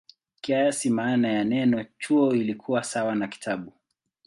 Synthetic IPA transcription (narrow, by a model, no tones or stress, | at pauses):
kiajasimaːnajanɛnɔt͡ʃuɔilikʰuwasawanaki̥tʰaɓu